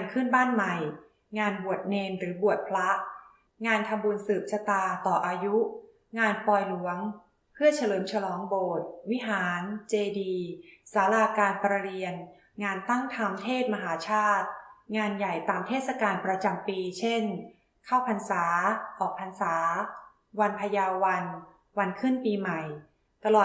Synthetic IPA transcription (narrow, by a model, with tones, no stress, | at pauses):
a˧nkʰɯ˥˩nbaː˥˩nma˨˩j | ŋaː˧nbu˨˩ət̪̚ne˧nɾɯː˩˦bu˨˩ət̪̚pʰla˦˥ʔ | ŋaː˧nt̪ʰa˧mbu˧nsɯː˨˩p̚sa˧t̪aː˧t̪ɔː˨˩ʔaː˧ju˦˥ | ŋaː˧npɔː˧jlu˩˦əŋ | pʰɯ˥˩ɐt͡ɕʰa˧lɤː˨˦mt͡ɕʰa˧lɔː˩˦ŋboː˨˩t̪̚wi˦˥ɦaː˩˦nt͡ɕeː˧diː˧saː˩˦laː˧kaː˧npɾa˧ɾi˧ən | ŋaː˧nt̪a˥˩ŋt̪ʰa˧mt̪ʰeː˥˩t̪̚ma˧ɦaː˩˦t͡ɕʰaː˥˩t̪̚ŋaː˧nja˨˩jt̪aː˧mt̪ʰeː˥˩sa˧kaː˧npɾa˧t͡ɕa˧mpiː˧t͡ɕʰe˥˩n | kʰa˥˩wpʰa˧nsaː˩˦ʔɔː˨˩k̚pʰa˧nsaː˩˦ | wa˧npʰa˧jaː˧wwa˧n | wa˧nkʰɯ˥˩npiː˧ma˨˩j | t̪a˧lɔː˨˩